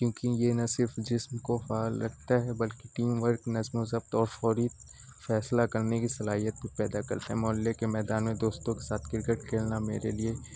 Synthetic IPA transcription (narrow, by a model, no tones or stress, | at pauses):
kjõːkijenɐsɪɾfd͡ʒɪsmkofaːlːɐɡ̚ʰt̪aɦɛbɐlkiʈiːmʋəɾknɐzmõzɐb̚t̪ɔːɾfɔːɾiːt̪̚ | fɛːslakɐɾnekisɐlaːɦijət̪̚bʱipɛːd̪akɐɾt̪eɦɛmɔlːekemɛːd̪aːnmẽd̪oːst̪õkesaːt̪ʰkɪɾkəʈkʰeːlnameːɾelie